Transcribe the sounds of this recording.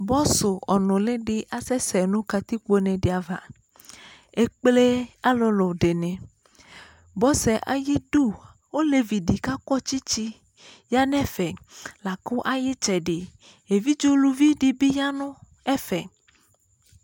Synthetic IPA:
bɔ˦so˨ɔ˨nɔ̃˨le˦ɖe˨ʔa˨sɛ˦sɛ˨nũ˦ka˨t̪i˦ko˦nɛ̃˨ɖe˨a˨va˨ | e˦k͡ple˦a˦lɔ˨lɔ˨ɖe˨nɛ̃˨ | bɔ˦sɛ˨ʔa̰˨ji˦ɖu˦ | wo˦le˨vi˨ɖi˨ka˦kɔ˦t͡ʃi˦t͡ʃi˦ | ja˦nɛ̃˦fɛ˨la˨ko˦ʔa˨je˦t͡ʃɛ˨ɖe˨ | e˨vi˦d͡ʒo˦lu˨vi˦ɖi˨bi˦ja˦nɔ̃˦ | ɛ˦fɛ˨

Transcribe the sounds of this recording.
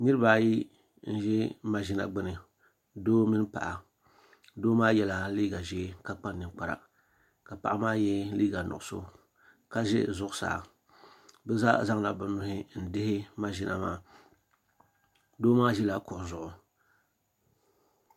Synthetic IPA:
nɨ˦ɾɨ˦baː˨ji˦ | n̩˦ʒɛ˦ma˨ʒi˦na̰˨ɡ͡bɨ˦nɨ˨ | doː˦mi˦n˦pa̰˨ʔa˨ | doː˦maː˦jɛ˦la˨liː˦ɡa˨ʒɛ˦ka˦k͡pa˦nː˦ɨ˨k͡pa˨ɾa̰˨ | ka˨pa̰˨ʔa˦maː˦jɛ˦liː˦ɡa˨nʊ̰˨ʔʊ˨so̰˦ | ka˦ʒɛ̰˦zʊ˦ʔʊ˦sa̰ː˨ | bɛ˦za̰˦za˦ŋla˨bɨ˨nʊ˦hɪ˦n̩˨dɪ˦hɪ˦ma˦ʒɪ˦nʔa̰˨ma̰ː˦˨ | doː˦maː˦ʒɛ˦la˨kʊ˨ʔzʊ˨ʔʊ˨

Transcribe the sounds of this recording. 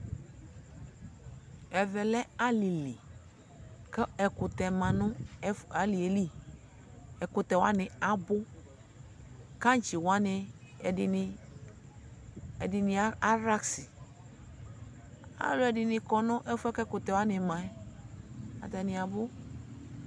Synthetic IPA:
ɛ˨vɛ˨lɛ˦a˦li˨li˨ | kɛ˦ɛ˨kʊ˨t̪ɛ˨mã˨nʊ̃˦a˨˦li˨e˨li˦ | ɛ˨kʊ˨t̪ɛ˨wa˦nɪ˨a˨bʊ˦ | kã˦n˦t͡ʃi˨wa˦nɪ˨ | ɛ˨dɪ˨nɪ˨a˦a˦ɾa˦ksɪ˨ | a̰˨˦lʊ˦ɛ˨dɪ˨nɪ˨kɔ˨nɔ̃˦ʔɛ˦fɛ˦kɛ˦kʊ˨t̪ɛ˨wa˦nɪ˨mã˨ɛ˦ | a̰˨t̪ɛ˨nɪ˨a˨bʊ˦

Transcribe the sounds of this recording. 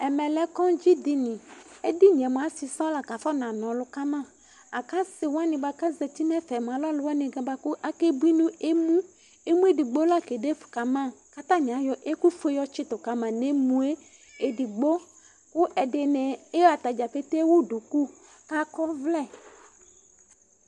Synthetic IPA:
ɛ˨mɛ̃˨lɛ˨˦kɔ˦d͡ʒi˦di˦nĩ˨e˦di˦ɲ˨ɛ˨mũ˨a˨si˨sɔ̃˦la˨ka˨fɔ˦nã˨nɔ̃˨lʊ˨ka˦mã˦˨ | a˨ka˦sɪ˨wa˦nɪ̃˨ba˨ka˦zɛ˨t̪i˦nɛ˦fɛ˨m˨a˨lɔ˦lʊ˦wa˦nɪ̃˨ɡã˨ba˨kʊ˦ʔa˦ke˦bi˦nũ˦e˦mũ˦ | e˦mũ˦e˦di˨ɡ͡bo˦la˦ke˨de˦fʊ̥˨ka˨mã˦˨ka˦t̪ã˦ɲ˨a˨jɔ˦ʔe˦ku˦fo˦jɔ˦t͡ʃɪ˦t̪ʊ˨ka˨mã˨ne˦mũ˨e˦ | e˨di˨ɡ͡bo˦ | kʊ˦ʔɛ˨de˨nɛ̃˨e˦ja˨t̪a˨d͡ʒa˨fe˦t̪e˦wo˦du˨ku˦ | ka˦kɔ˦vlɛ˦˨

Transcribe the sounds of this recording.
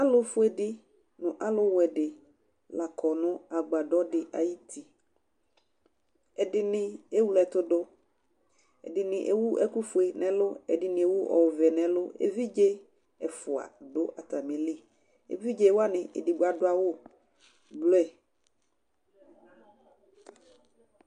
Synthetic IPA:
a˦lʊ˦fʊ˦ɛ˨dɪ˦ | nʊ̃˨ʔa˦lʊ˦wɛ˨ɖɪ˨ | la˨kʰɔ˨nʊ̃˦a˨ɡ͡ba˨ɖɔ˦dɪ˨ʔa˨ji˦t̪ʰi˨ | ɛ˨dɪ˨nɪ̃˨e˦wu˦˨lɛ˨t̪ʊ˦ɖʊ˦ | ɛ̰˨dɪ˨nɪ̃˨ʔḛ˦wu˦ʔɛ˦ku˦fʊ˨˦ɛ˨nɛ̃˨lʊ˦ɛ̰˨dɪ˨nɪ̃˨e˨wu˦ʔɔ̰˨wvɛ˨nɛ̃˨lʊ˦ḛ˦vi˦d͡ʒe˦ | ɛ˨fʊ˨a̰˨dʊ˦ʔa˨t̪a˨mẽ˨li˦ | ḛ˦vi˦d͡ʒe˦wo˦a˦nɪ̃˨ʔɛ̰˨di˨ɡ͡ba˨dʊ˦a˨wo˦ | blo˦ɛ˨

